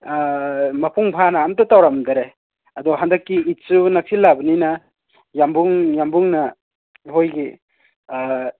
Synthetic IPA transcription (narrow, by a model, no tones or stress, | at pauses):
mɐpʰuŋpʰanɐamtɐtawɾamdɐɾe | ɐdɔɦandɐkːiit̚sunɐpʰilːabɐninɐ | jambuŋjambuŋnɐ | ɦojɡi